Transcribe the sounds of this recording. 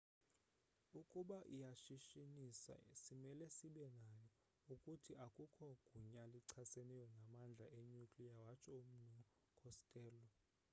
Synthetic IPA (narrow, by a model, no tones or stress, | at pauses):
ukʼuɓaʔijaʃiʃinisa̰simɛlɛsiɓɛnajɔ | ukʼutʰiʔakʼukʰɔɡ̥ʱuɲaliǀʰasɛnɛjɔnamand͡ɮʱaʔeɲukʼlijawat͡ʃʰɔum̩nɔ | kʰɔstʼɛːlɔ